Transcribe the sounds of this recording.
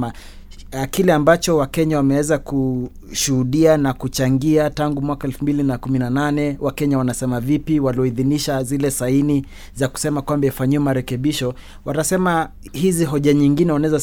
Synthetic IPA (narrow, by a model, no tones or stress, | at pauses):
a | akilɛambat͡ʃɔwakɛɲawamɛwɛzaku | ʃuhuɗianakut͡ʃaŋɡiataŋɡumwakaɛlfumbilinakuminananɛwakɛɲawanasɛmavipiwaliɔiðiniʃazilɛsaini | zaku̥sɛmakwambɛifaɲiwɛmaɾɛkɛɓiʃɔ | watasɛmahiziɦɔʄaɲiŋɡinɛwanaɛza